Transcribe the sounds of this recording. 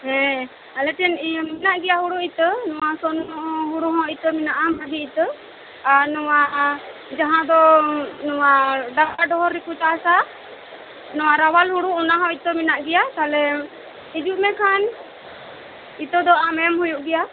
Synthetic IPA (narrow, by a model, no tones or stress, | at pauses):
ɦɛ̃ | alɛʈʰɛnminaʔɡɛjaɦuɽuit̪nɔwasɔnɔɦuɽuɦɔ̃it̪əminaʔamɦad̪iit̪ə | aɾnɔwa | d͡ʒaɦãd̪ɔnɔwaɖaɡaɖɔɦɔɾikut͡ʃaasa | nɔwaɾawalɦuɽuunaɦɔ̃it̪əminaʔɡɛjat̪alɛ | id͡ʒuʔmɛkʰan | it̪ɔd̪ɔʔamɛmɦujuʔɡɛja